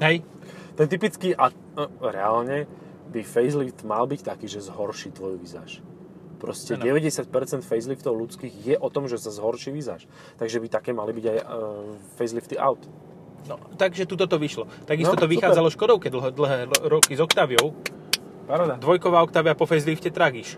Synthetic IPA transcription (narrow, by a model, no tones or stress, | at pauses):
ɦɛj | t̪ɛnt̪ipit͡skiʔa | ɾɛalɲɛ | bifɛjzlift̪malbict̪akiːʒɛzɦɔɾʃit̪ʋɔjuʋiza̰ːʃ | pɾɔscɛɟɛʋɛɟɛsɪac̚pɛɾt͡sɛnt̪fɛjzlift̪ɔʊlut͡skiːɣjɛʔɔt̪ɔmʒɛsazɦɔɾʃiʋiza̰ːʃ | t̪aɡʒɛbit̪akɛːmalibiɟaj | fɛjzlift̪iʔa̰ʊt̪ | nɔt̪aɡʒɛt̪ut̪ɔt̪ɔʋiʃlɔt̪aɡist̪ɔt̪ɔʋixaːd͡zalɔʃkɔd̪ɔʊkɛd̪l̩ɦd̪l̩ɦɛːɾɔkizɔkt̪aːʋjɔʊ | d̪ʋɔjkɔʋaːɔkt̪aːʋɪapɔfɛjzlifcɛt̪ɾaɡiʃ